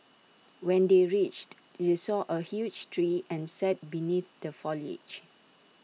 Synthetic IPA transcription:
wɛ̃ndeɹit͡ʃt | desɔʔəhjud͡ʒtʰɹiɛ̃nsɛt̚biniθdəfɔlḛt͡ʃ

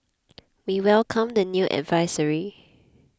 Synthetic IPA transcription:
wiwɛlkʰə̃mdənjuʔɛ̰dvaɪsəɹi

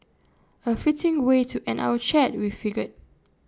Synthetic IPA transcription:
əfitɪ̃ŋwetʰuʔɛ̃nʔa̰wət͡ʃɛt̚wifiɡət̚

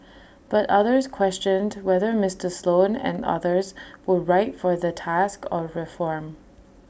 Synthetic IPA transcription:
b̥ʌʔʌðə˞z̥kʰw̥ɛst͡ʃə̃ndwɛðə˞mɪstʰə˞slˠõnə̰̃nʌ̰ðə˞zwəɹaɪʔfə˞ðətʰaskə˞ɹɪfɔɹm

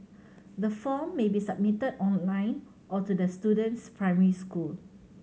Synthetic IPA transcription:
dəfɔmːebisab̚mitədɔ̃nlãɪ̃n | ʔɔtudəstudə̃ntspɹãjmɛɹiskul

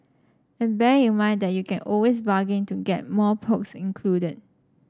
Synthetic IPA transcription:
ɛ̃nbɛɹŋĩnmãɪ̃ndɛt̚jukʰɛ̃nɔlwesbaɡɪ̃ŋtuɡɛ̰t̚mɔpʰoksĩnkʰludəd̚

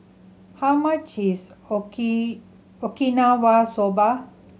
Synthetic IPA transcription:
hamat͡ʃʰis | ɔkinawasoba

